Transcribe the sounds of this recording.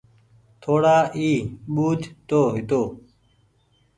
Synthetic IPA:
t̪ʰoːɽaːʔiːɓuːd͡ʒʱt̪oːɦɪt̪oː

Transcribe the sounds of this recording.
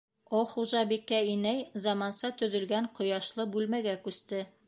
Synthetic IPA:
oχuʒɑbikːæinæjzɑmɑnsɑt̪ɵ̆ðɵ̆lɡæɴqŏjɑʃlˠɤbʉlmæɡækʉst̪ɘ

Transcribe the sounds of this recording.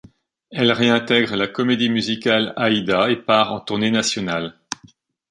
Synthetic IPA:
ɛlʁeɛ̃t̪ɛɡʁəlakɔmed̪imyzikʲalaid̪aepaʁɑ̰̃t̪uʁnenasjɔnal

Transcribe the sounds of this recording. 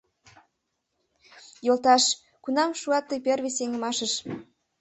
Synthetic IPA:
jolt̪ɑʃ | kunɑmʃuɑt̪ːəjperβiseŋə̆mɑʃəʃ

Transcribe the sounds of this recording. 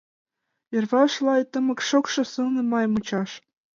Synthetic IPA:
jɤ̆rβɑʃlˠɑjt̪ə̆mɤ̆kʃokʃɤ̆sɯlnɤ̆mɑjmut͡ɕɑʃ

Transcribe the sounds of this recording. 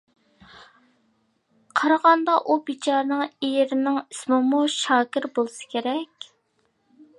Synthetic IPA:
qʰɑɾɑʁɑnd̪ɑʔubit͡ʃʰɑɾnɨŋejɪɾɪnɪŋismɨmuʃɑːkʲɪɾbolˠsɨ̥kʲʰeɾɛkʲ

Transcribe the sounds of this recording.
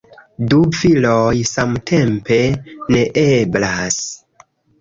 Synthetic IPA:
dufilojsamtʰe̞mpe̞ne̞ʔeblas

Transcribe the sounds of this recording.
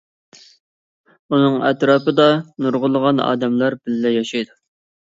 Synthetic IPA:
unɨŋɛt̪ɾɑːpɨd̪ɑnuɾʁʊlˠəʁɑnɑ̰ːd̪ɛmlɑɾbɪlːɛjɑʃɑjd̪u

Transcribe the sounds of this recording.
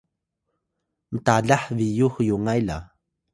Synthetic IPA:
mətaɮaħvijuxjuŋajla̰

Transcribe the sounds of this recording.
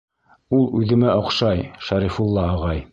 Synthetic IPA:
ulˠʉðɘ̆mæʔŏqʃɑjʃæɾifulˠːɑɑʁɑj

